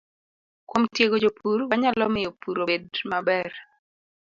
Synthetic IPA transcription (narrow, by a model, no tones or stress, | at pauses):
kwomtjeɡod͡ʒopʰuɾwaɲalɔmɪjopuɾobedmabɛr